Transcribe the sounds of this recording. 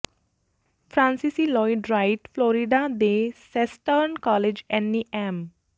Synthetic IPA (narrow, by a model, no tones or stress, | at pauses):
fɾãnsisilɔɪɖɾaɪʈflɔːɾiɖad̪esesʈəɾnkɔled͡ʒɛ̃nːiʔɛ̃m